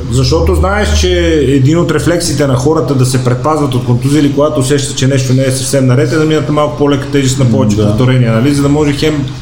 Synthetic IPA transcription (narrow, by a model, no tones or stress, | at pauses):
zɐʃt̪ɔt̪oznaɛʃt͡ʃɛːd̪inot̪ɾɛflɛksiːt̪ɛnɐxɔɾət̪əd̪ɐsɛpɾɛt̪̚pazvɐt̪ot̪̚kont̪uziilikoɡat̪osɛʃt̪ət͡ʃɛnɛʃt̪onɛːsɐfsɛmnɐɾɛt̪ɛd̪ɐminət̪malˠkʊ̥polɛkə̥t̪ɛʒist̪nɐpɔvɛt͡ʃɛkɡ̪ot̪oɾɛniɛnɐlizɐd̪ɐmɔʒɛxɛm